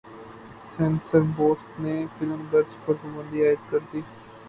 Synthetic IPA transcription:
sɛ̃nsəɾboːʈsnefɪləmɡəɾd͡ʒpəɾt̪ʊmə̃nd̪iaːɪd̪kɐɾd̪iː

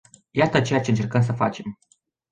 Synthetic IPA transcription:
jat̪ət͡ʃe̞jat͡ʃe̞ɨnt͡ʃe̞rkəms̬əfat͡ʃe̞m

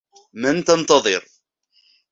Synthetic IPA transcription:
mænt̪ɑnt̪ɑðˤeɾˤ

